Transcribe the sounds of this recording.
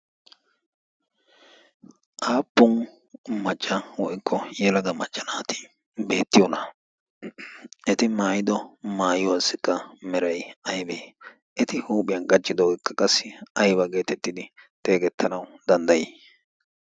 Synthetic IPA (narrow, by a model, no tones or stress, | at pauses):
ʔaːpːʊn | mɐt͡ʃʼːɐwɔjɪkʰːɔjɛlɐɡɐmɐt͡ʃʼːɐnaːt̪ɪ̥ | be̞ːt̪ːɪjɔnɐ | ʔɛt̪ɪmaːjɪd̪ɔmaːjɔasːɪkʼːɐmɛɾɐjɐjbeː | ʔɛt̪ɪhuːpʼɪjɐnɡʼɐt͡ʃːɪd̪ɔwɔjkːɐkʼɐsːɪɐjbɐɡe̞ːt̪ɛt̪ːɪd̪ɪt̪ʼeːɡɛt̪ʰːɐnɐwd̪ɐnd̪ɐjeː